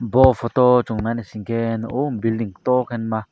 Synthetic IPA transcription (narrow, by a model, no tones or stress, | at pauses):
bɔfot̪ot͡ʃuŋnanesiŋkenombild̪iŋt̪okʰenma